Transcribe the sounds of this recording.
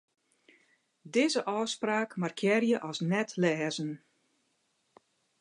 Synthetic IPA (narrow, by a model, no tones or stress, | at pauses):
dɪːzəʔɔːspraːkmarkʰjɪːrjəʔɔsnɛtʰlɛːzən